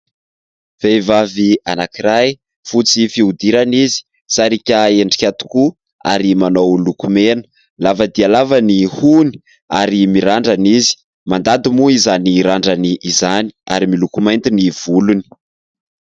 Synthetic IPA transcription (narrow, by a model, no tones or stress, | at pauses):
v̥ejvavianakiɾaj | fut͡sifiud̪iɾanizi̥ | saɾikʲaeɳɖ͡ʐi̥kʲat̪u̥ku | a̰ɾimanowlukumenə̥ | lavəd̪ialavənihuni̥ | a̰ɾimiɾaɳɖ͡ʐanizi̥ | mand̪ad̪imuizaniɾaɳɖ͡ʐaniʔːzani̥a̰ɾimilukumajnt̪iniv̥uluni̥